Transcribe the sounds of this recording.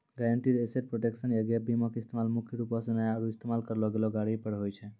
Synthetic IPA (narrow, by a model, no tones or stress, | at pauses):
ɡaeɳʈiɾeseʈ̚pɾoʈeksənjaɡebimɔkist̪ʰemalmukʰjɾupɔsenajaɾuist̪emalkəɾlɔɡelɔɡaɽipəɾɦojt͡ʃʰɛ